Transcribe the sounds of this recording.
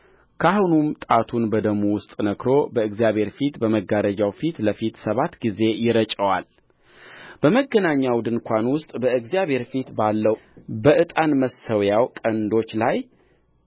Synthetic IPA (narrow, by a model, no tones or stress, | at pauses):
kʰahunumt̪ʼat̪ʰunbəd̪əmuwʊst̪ʼnəkɾo̞bəɨɡzijaβhe̞ɾfit̪bəməɡaɾəd͡ʒawfit̪ləfit̪səβat̪ɡize̞jɪɾət͡ʃʼəwal | b̥əməɡːənaɲːawd̪ɨnkʷʰanwʊst̪ʼbəɨɡzijaβhe̞ɾfit̪balːəwbəʔɨt̪ʼanməsːəwjawkʼənd̪o̞t͡ʃːlaj